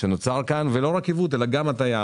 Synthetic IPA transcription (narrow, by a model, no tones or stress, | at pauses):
ʃenot͡saʁkanvelo̞ʁakivut̪̬elaɡamat̪aja